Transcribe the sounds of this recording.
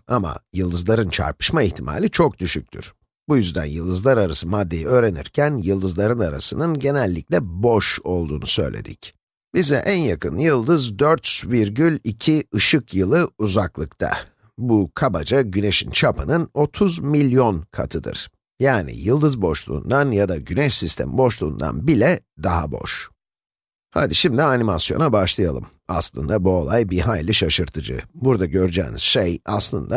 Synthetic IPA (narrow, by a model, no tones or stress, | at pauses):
ama̰jɯlˠd̪ɯzlˠaɾɯnt͡ʃʰa̰ɾpɯ̥ʃmaiçt̪ʰima̰lʲit͡ʃʰok̚d̪yʃyc̚ʲt̪ʰy̰ɾ̥ | bujyzd̪æ̰njɯlˠd̪ɯzlˠaɾaɾasɯmad̪ːe̞jiø̞ːɾe̞nḭɾcʰænjɯlˠd̪ɯzlˠaɾɯnaɾa̰sɯnɯnɟe̞nɛlʲːiclʲɛboʃo̞lˠd̪uːnusø̞̰jlʲe̞̰d̪ic | bizɛʔænjakʰɯnjɯlˠd̪ɯzd̪øɾt̪sviɾɟylʲicʰiɯʃɯkjɯlˠɯuzaklˠɯkt̪ʰa̰ | bukʰaba̰d͡ʒaɟyneʃint͡ʃʰapʰɯnɯno̞t̪ʰuzmilʲjo̞nkʰa̰t̪ʰɯd̪ɯ̰ɾ̥ | jaːnḭjɯlˠd̪ɯzboʃlˠṵːnd̪anjad̪aɟynɛʃsist̪ʰɛ̰mbo̞ʃlˠuːnd̪a̰nbilʲɛ | d̪aɦabo̞̰ʃ | ha̰d̪iʃimd̪ianimasjo̞̰nabaʃlˠɯjalˠɯ̰m | a̰slˠɯ̰nd̪abuo̞lˠajbiɦajlʲiʃaʃɯɾt̪ʰɯd͡ʒɯ̰buɾd̪aɟøɾd͡ʒɛ̰ːnḭz̥ʃeja̰slˠɯnd̪a